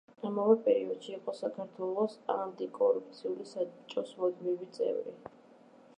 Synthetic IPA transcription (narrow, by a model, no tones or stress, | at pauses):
amavɛpʼɛɾiɔd̪̥ʃiːqʼɔsakʰaɾt̪ʰwɛlˠɔsamd̪ikʼɔɾup̚t̪sʰiulisat͡ʃʼɔsmɔd̪mivit̪sʼɛ̰vɾḭ